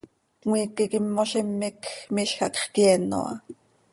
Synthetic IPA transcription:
wiːkikimːoʃemːikmiʃxɑkχkjeːno̰ʔɑ̰

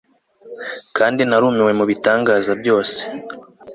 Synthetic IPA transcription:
kʰaːndinaɾuːmiwe̞muβitaːŋɡaːzabjo̞ːse̥

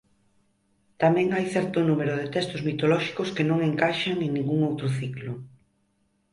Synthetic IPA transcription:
t̪amɛ̃ŋajθɛɾt̪ʊnumeɾʊðɪt̪ɛst̪ʊzmit̪olɔʃi̥kʊskɪnõŋeŋkaʃaŋeŋnĩŋɡuŋowt̪ɾʊθiklʊ

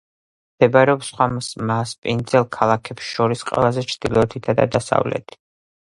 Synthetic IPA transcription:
md̪̥ɛbaɾɛɔpsχwamsmaspʼind̪zɛlˠkʰalˠakʰɛpsʃɔɾisqʼwɛ̰lazɛt͡ʃʰɾd̪̥ilɔt̪ʰit̪ʰad̪a̰d̪asa̰vlɛ̰t̪ʰi̥

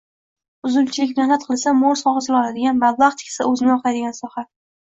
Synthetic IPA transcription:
ʊzʊlt͡ʃʰɪlɪkʲmehnat̪̚qʰɨlˠsamoɾsχɒʁɨsɪlɒlad̪ɪɡʲanmab̪lˠɑχt̪ʰɪ̥kʲsaɵzɪnɪɒqʰajd̪ɪɡʲansɒha

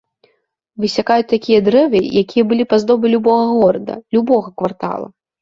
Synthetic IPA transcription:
vɨsʲakajut͡sʲt̪akʲijɐd̪ɾɛvɨjakʲijɐbɨlʲipazd̪ɔbʲɨlʲubɔɣɐɣɔɾɐd̪ɐ̰lʲubɔɣɐkvart̪a̰lˠɐ̰

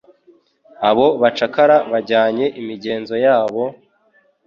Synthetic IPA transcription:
aβo̞βat͡ʃakaɾaβaɟaːɲe̞ʔimiɟe̞ːnzo̞jaːβo̞

